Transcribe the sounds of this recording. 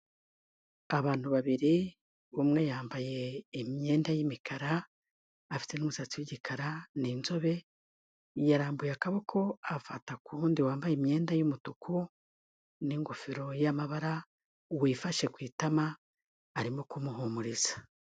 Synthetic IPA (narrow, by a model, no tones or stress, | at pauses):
aβaːn̥huβaβiɾi | βumŋe̞jaːmbaje̞ːmɲe̞ːndajimikʰaɾaː | fi̥te̞numusat͡siweɟikʰaɾaninzo̞βe̞ | jaɾaːmbujakaβo̞kʰo̞afatakuːndiwaːmbajemɲe̞ːndajumutukʰu | niŋɡufiɾo̞jamaβaɾa | wifaʃe̞kwiːtamaː | ɾimokumuɦumuɾizḁ